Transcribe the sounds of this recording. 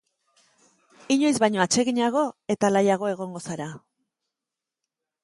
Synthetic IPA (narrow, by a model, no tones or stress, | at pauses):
iɲo̞jzβajɲo̞at͡ʃe̞ɣiɲaɣ̞o̞e̞t̪alajaɣ̞o̞e̞ɣ̞o̞ŋɡo̞saɾa